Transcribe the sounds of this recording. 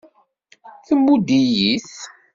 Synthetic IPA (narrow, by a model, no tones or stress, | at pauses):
θəmːud̪ijiθ